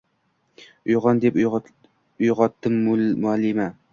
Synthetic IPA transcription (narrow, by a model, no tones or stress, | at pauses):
ʊjʁɒnd̪ep | ʊjʁɒt̪ːɪmːʊlmʊalːɪma